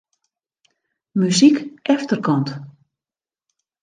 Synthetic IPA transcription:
mysikʔɛftərkʰɔnt

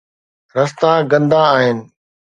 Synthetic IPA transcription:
ɾɐst̪ãɡɐ̃nd̪ãaːɦɪnɪ̆

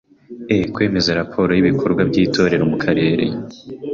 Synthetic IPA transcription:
ekwe̞ːme̞zaɾapʰo̞ːɾo̞jiβikʰo̞ɾɡwabɟiːtʰo̞ːɾe̞ɾo̞mukʰaɾe̞ːɾḛ

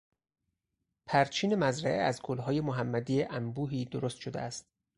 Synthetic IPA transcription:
pʰæɾt͡ʃʰiːne̞mæzɾæʔeæzɡolɦɒːje̞moɦæmːæd̪iːeʔæmbuːɦiːd̪oɾost̪ʃod̪ḛæst̪̚

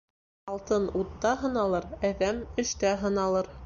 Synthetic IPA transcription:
ɑlˠt̪ɤnut̪ːɑɦɤ̆nɑlˠɤɾæðæmɵ̆ʃt̪æɦɤ̆nɑlˠɤɾ

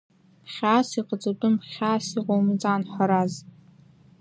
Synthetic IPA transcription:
pχʲaːsiqʼət͡sʼotʼɨmpχʲaːsiqʼomɨt͡sʼaːnħʷaɾaz

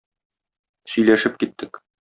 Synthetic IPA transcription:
sɵ̆jlæʃɘp̚kit̪ʰːɘk

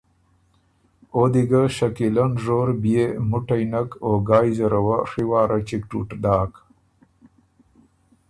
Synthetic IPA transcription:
od̪iɡaʃɐkilɐnʐoːɾbijemuʈɐjnakoɡaːjzɐɾɐwaʂiwɑːɾʔat͡ʃik̚ʈṵʈɖaːk

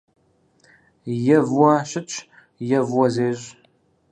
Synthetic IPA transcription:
jɛvwɐɕɪt͡ʃʼʰ | jɛvwɔzeːʑ

